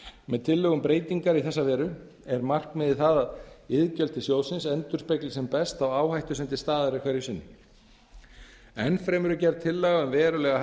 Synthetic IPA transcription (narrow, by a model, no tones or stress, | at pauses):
mɛðt̪ʰɪlːœɣʏmpɾeːjt̪iŋkaɾiθɛsːavɛːɾʏ | ɛɾmar̥kmɪðɪθaðaðɪðcœl̥t̪ɪsjoːwsɪnsɛnt̪ʏɾ̥spejklɪsɛmpɛst̪awaːwhajht̪ʏsɛnt̪ɪst̪aːðaɾɪkʰvɛɾjʏsɪnːʏ | ɛnfɾɛmʏɾʏcɛɾt̪ʰːɪlːaɣaʏmvɛːɾʏlɛɣa